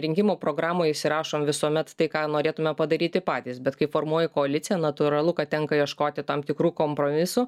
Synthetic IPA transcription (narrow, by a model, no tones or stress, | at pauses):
ɾʲɪŋʲkʲɪmoːpɾoːɡɾɑːmoːjɪʃʲsʲɪɾɑːʃoːmʋʲɪsuɔmʲɛt̪t̪ɐɪkɑːnoːɾʲeːt̪ʊmʲɛpɐd̪ɐɾʲiːt̪ʲɪpɑːt̪ʲiːsbʲɛt̪kɐɪfoːrmuɔjɛkoːɐlʲɪt̪sʲɪjɛnɐt̪ʊɾɐlˠʊkɐt̚t̪ʲɛŋkɐjiɛʃkoːt̪ʲɪt̪ɐmt̪ʲɪkɾuːkoːmpɾoːmʲɪsʊ